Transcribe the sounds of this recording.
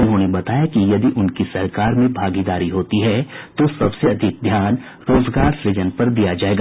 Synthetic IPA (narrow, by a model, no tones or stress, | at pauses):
ʊnɦõːnebɐt̪aːjakijɐd̪iʔʊnkisɐɾkaːɾmẽbʱaːɡid̪aːɾiɦoːt̪iɦɛt̪osɐbseɐd̪ʱɪk̚d̪ʱjaːn | ɾoːzɡaːɾsɾɪd͡ʒənpɐɾd̪ijad͡ʒaːeːɡaː